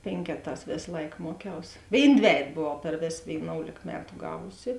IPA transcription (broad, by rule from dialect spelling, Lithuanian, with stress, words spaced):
ˈpʲeːŋʲkʲɛˌtɑːs ˈʋʲeːs ˈlˠɐɪk ˈmuɔˌkʲɛʊs ˈʋʲeːɪn ˈdʲʋʲæːjɛt ˈboːʋɐʊ pʲɛr ˈʋʲeːs ʋʲeːɪˈnoːʊlʲeːk ˈmʲæːtʊ ˈɡɑːʋʊsʲɪ